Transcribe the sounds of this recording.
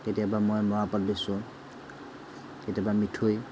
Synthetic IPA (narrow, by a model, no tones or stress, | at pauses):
tetijabamojmɔɦapɔt̚bisʊ̃ | tetiabamitʰuj